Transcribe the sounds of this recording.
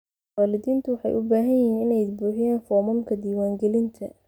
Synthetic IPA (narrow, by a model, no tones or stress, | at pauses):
waːlɪðiːnt̪ʰʊwɑħɑ̰jʔʊbaːɦɐnɪɦiːnɪnɛjbuːħɪjaːnfɔmɔlkʰɐd̪iːwaːŋɡɛlɪnt̪ʰɐ